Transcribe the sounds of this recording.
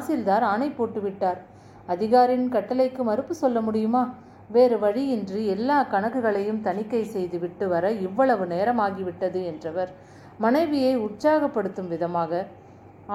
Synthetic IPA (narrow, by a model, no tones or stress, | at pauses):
sɪld̪aːɾaːnɐɪpːoːʈːɯʋɪʈːaːɾ | ɐðɪɣaːɾɪnkɐʈːɐlɐɪkːɯmɐɾɯpːɯsɔlːɐmʊɽɪjɯmaː | ʋeːɾɯʋɐɻiɪndriɛlːaːkɐɳɐɣɯɣɐɭɐjɯmt̪ɐnɪkːɐɪsɛjðɯʋɪʈːɯʋɐɾɐɪʋːɐɭɐʋɯneːɾɐmaːɣiʋɪʈːɐðɯɛndrɐʋɐɾ | mɐnɐɪʋɪjɐɪʊʈ̚t͡ʃaːɣɐpːɐɽɯt̪ːɯmʋɪðɐmaːɣɐ